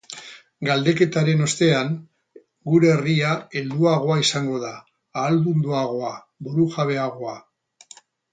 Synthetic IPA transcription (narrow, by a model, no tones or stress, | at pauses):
ɡald̪e̞ke̞t̪aɾe̞no̞st̪e̞aŋ | ɡuɾe̞ːriae̞ld̪uaɣ̞o̞aisaŋɡo̞ðaː | lβund̪uaɣ̞o̞a | buɾuʝaβ̞e̞aɣ̞o̞a